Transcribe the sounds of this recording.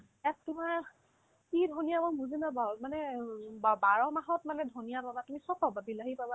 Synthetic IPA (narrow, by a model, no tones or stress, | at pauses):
ɛk̚tʊmaɹ | kidʱonijamɔmuzinabamanɛbbaɹɔmaɦɔtmanɛdʱonijababatumisɔkɔbabilaɦipaba